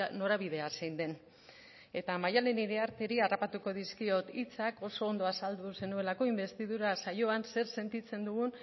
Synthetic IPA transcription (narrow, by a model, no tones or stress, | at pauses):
no̞ɾaβiðe̞asejnd̪e̞n | e̞t̪amajaleniɾeaɾt̪e̞ɾiarapat̪uko̞ð̞iskio̞t̪it͡sako̞so̞ːnd̪o̞asald̪use̞nue̞lako̞imbe̞st̪iðuɾasajo̞anse̞ɾse̞nt̪it͡se̞nd̪uɣun